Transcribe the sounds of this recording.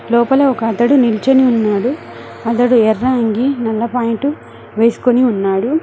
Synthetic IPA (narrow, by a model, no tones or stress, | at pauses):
lɔːpɐleɔkɐɐd̪ɐɽunilt͡ʃeniunːaːɽu | ɐd̪ɐɽuɛrːaːŋɡinɐlːɐpaːjiɳʈu | ʋe̞ːsu̥koniunːaːɽu